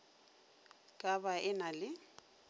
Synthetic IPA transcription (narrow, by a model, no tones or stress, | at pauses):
kʼabaʔɛnalɪ